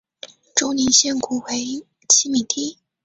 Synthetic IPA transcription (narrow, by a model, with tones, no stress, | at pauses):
ʈ͡ʂʊ˥ʊni˧˥nɕjɛ˥˩nku˨˩we˧˥ɪ | t͡ɕʰi˥mi˨˩t̪ʰi˥˩